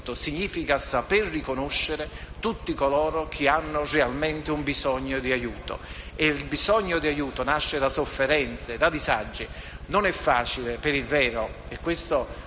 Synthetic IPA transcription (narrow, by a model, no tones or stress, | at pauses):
t̪osiɲːiːfikasaperːikonoʃːeɾe | t̪ut̪ːikolɔːɾokʰianːorealmɛnt̪ɪumbizɔɲːod̪iajuːt̪o̰ | elbizɔɲːod̪iajuːt̪onaʃːed̪asofːeɾɛnt̪sed̪ad̪izad͡ʒːi | nonɛfːaːt͡ʃilepeɾilvɛːɾo | ekːwɪst̪o